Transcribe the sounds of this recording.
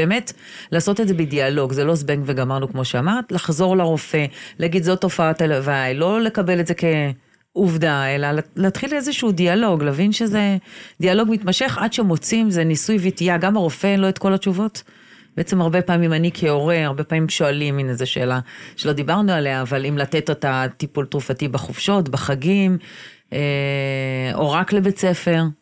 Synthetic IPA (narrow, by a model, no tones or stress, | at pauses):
beːmet | laːso̞tedzebedialo̞ɡzelo̞zbeŋɡveɡamaʁnukmo̞ʃeamaʁt̪laχzo̞ʁlaʁo̞fe̞laːɡid̪zotːo̞faatalavajlo̞le̞kabe̞letzeke̞ | uvdae̞lalleatχilezeʃuːdialo̞ɡlaːvinʃeze̞dialo̞ɡmitmaʃe̞χadʃemo̞t͡simzenisujvitijaɡamaʁofe̞nlo̞etko̞lat͡ʃuvo̞t | b̥eʔet͡semaʁbe̞paːmimanikʰeo̞ʁeaʁbe̞paːmimʃoaliminezeʃḛːlaʃe̞lo̞d̪ibaʁnualeaːvalimlate̞totatipultʁufatibaχofʃo̞tbaχaɡim | e | o̞̰ʁaklebe̞t͡se̞fe̞ʁ